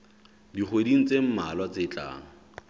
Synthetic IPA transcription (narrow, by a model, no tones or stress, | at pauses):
diχʰwediŋ̩t͡sem̩malwat͡sɪt͡ɬʼa̰ːŋ̩